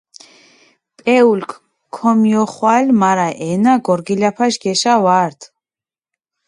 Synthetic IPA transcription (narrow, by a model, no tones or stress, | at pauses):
pʼɛulkʰʼ | kʰːɔmiɔχwalmaɾaʔɛnaɡɔɾɡilapʰaʃɡɛʃawaɾt̪ʰ